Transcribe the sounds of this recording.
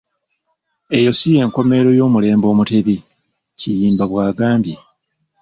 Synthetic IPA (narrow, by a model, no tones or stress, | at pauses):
e̞jo̞sije̞ːŋko̞me̞ɾo̞jo̞ːmule̞ːmbo̞ːmute̞βi | cijiːmbaβwaːɡaːmbje